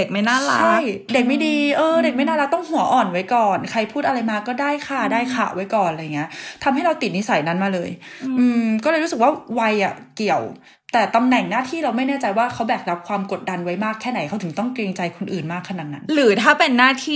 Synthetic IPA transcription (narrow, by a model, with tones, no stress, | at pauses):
e˨˩k̚ma˥˩jnaː˥˩lat͡ɕʰa˥˩jde˨˩k̚ma˥˩jdiː˧ʔɤː˧de˨˩k̚ma˥˩jnaː˥˩la˦˥k̚t̪ɔ˥˩ŋhu˨˩˦ɐʔɔː˨˩nwa˦˥jkɔː˨˩nkʰa˧jpʰuː˥˩t̪̚a˧ɾa˧jmaː˧˩kːɔː˥˩daː˥˩jkʰa˥˩daː˥˩jkʰa̰˨˩ʔwa˦˥jkɔː˨˩nʔla˧ja˨˩ŋːi˦˥ɐʔt̪ʰa˧mɦa˥˩jɾa˧wt̪i˨˩t̪̚ni˦˥sa˩˦jna˦˥nmaː˧lɤː˧jʔɯː˧mkɔ˥˩ɤː˧jɾuː˦˥sɯ˨˩k̚waː˥˩wa˧jʔa˨˩ki˨˩əw | t̪ɛː˨˩t̪a˧mnɛ˨˩ŋnaː˥˩t̪ʰiː˥˩ɾa˧wma˥˩jnɛː˥˩t͡ɕa˧jwaː˥˩kʰa˦˥wbɛː˨˩k̚ɾa˦˥p̚kʰwaː˧mko˨˩t̪̚da˧nwa˦˥jmaː˥˩kʰːɛː˥˩na˩˦jkʰa˦˥wt̪ʰɯ˩˦ŋt̪ɔ˥˩ŋkɾeː˧ŋt͡ɕa˧jkʰo˧nʔɯː˨˩nmaː˥˩kʰːa˧na˨˩t̪̚na˦˥nɾɯː˩˦t̪ʰaː˥˩pe˧nːaː˥˩t̪ʰiː˥˩